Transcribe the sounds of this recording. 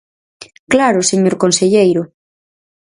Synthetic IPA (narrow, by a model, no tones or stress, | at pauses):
klaɾoseɲoɾkonseʎejɾo